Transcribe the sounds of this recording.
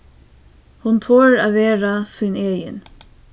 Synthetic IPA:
hʊnt̪ʰoːɹaːʋeːɾasiːneːjə̰n

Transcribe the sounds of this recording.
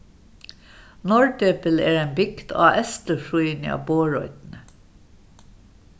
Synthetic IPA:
nɔɹɖ̪øːpəleːɹeːnbʏkt̪ʰɑ̰ːʔɛst̪əʃuiːnɪɑ̰ːboːɹɔ̰ʏt̪n̩ə

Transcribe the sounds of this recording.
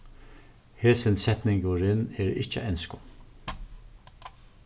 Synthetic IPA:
heːsɪnsɛt̪nɪŋɡʊɾɪnɛɹɪ̰t͡ʃə̰ʔɛnskʊ

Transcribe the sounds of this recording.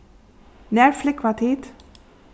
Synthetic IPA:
næːɹflɪkʰʋɑt̪ʰiːt̪

